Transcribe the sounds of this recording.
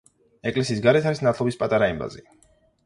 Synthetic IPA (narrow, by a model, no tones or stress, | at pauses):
ɛkʼlɛsiːs̬ɡaɾɛt̪ʰaɾisnat̪ʰlˠɔbispʼat̪ʼaɾaimba̰zḭ